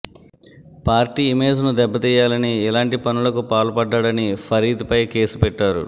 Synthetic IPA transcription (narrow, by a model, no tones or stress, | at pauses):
paːɾʈiːme̞ːd͡ʒnud̪ɛbːɐt̪iːjaːlɐniɛlaːɳʈipɐnulɐkupaːlɐpɐɖːaɽɐnipʰɐɾiːd̪upɐjke̞ːsupɛʈːaːɾṵ